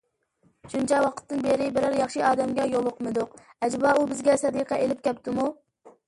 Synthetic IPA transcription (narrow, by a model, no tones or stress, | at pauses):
ʃunt͡ʃɛwɑqʰə̥t̪ːɨnbeɾɪbɪɾæɾjɑχʃiɑːd̪ɛmɡʲɛjolˠʊqmɨd̪ʊqɛd͡ʒbɑubɪzɡʲɛsɛd̪iqʰɛʔelɪp̚kʲɛpt̪ʰɪmu